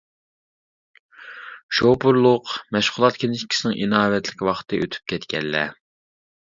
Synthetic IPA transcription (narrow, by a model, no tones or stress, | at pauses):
ʃopuɾlˠʊqmɛʃχʊlˠɑt̪̚kʲʰenɪʃkʲʰi̥sɪnɪŋʔinɑːwɛt̪ʰlɪkʲwɑχt̪ʰɨʔøt̪ʰy̥p̚kʲɛt̪kʲɛlːɛ̰